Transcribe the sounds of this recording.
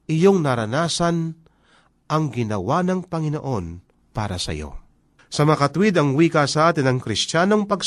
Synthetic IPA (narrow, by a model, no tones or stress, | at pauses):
ʔɪjo̞ŋnɐɾɐnaːsɐn | ʔɐŋɡɪnɐwanɐŋpɐŋɪno̰ʔo̞n | pa̰ːɾɐ̰sɐ̰jo̰ | sɐmɐakɐt̪ʊwɪd̪ɐŋwiːkasɐʔaːt̪ɪnɐŋkɾɪstaːno̞ŋpɐɡ